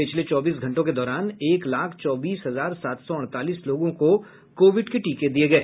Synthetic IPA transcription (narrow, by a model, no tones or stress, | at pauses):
pɪt͡ʃʰlet͡ʃɔːbiːsɡʱɐ̃ɳʈõked̪ɔːɾaːneːklaːkʰt͡ʃɔːbiːsɦɐzaːɾsaːt̪sɔɐ̃ɽ̃t̪aːliːsloːɡõko | koːʋɪɖkeʈiːked̪ieɡɐeː